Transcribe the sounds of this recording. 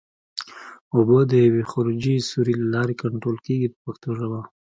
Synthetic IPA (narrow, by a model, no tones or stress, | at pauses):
obəd̪əjawexoɾɪd͡ʒisuɾilalɑɾekaɳʈɾolkeɡit̪əpaxt̪oʒawa